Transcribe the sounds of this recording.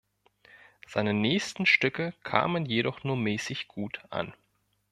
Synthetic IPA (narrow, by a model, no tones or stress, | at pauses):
z̥aɪnənɛːçstn̩ʃtʏkəkʰa̰ːmənjeɾɔχnuːɐmɛːsɪçɡ̥uːtʔa̰n